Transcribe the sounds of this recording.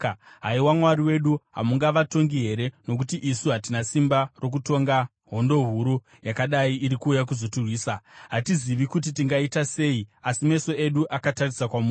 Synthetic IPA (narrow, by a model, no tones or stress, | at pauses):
ɦaiwamwaɾiwe̞ɗuɦa̰muŋɡaʋato̞ŋɡiɦe̞ɾe̞no̞k̬utiʔisuɦatinasimbaro̞k̬uto̞ŋɡa | ɦo̞ndo̞ɦuɾu | jakaɗaiːɾikuːjak̬uzo̞turwiːsaɦatiziʋikut̬itiŋɡaitase̞ːiasime̞so̞e̞ɗuʔakatarisakwamu